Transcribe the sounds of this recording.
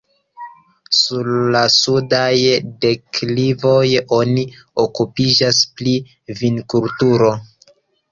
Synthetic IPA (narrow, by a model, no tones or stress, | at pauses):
suɾlasudajde̞klivo̞jo̞ni | okupid͡ʒaspli | vinkultuɾo̞